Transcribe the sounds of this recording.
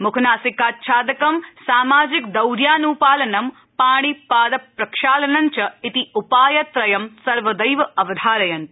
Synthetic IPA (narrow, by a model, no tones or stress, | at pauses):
mukʰnaːsikaːt̪̚ʃʰaːd̪ɐkɐmsaːmaːd͡ʒikd̪ɐwɾjaːnupaːlɐnɐm | paːɳ̃ipaːd̪ɐpɾɐkʂaːlɐnɐɲt͡ʃɐit̪iupaːjɐt̪ɾɐjɐmsɐɾʋɐd̪ɐjʋɐɐʋɐd̪ʱaːlɐjɐn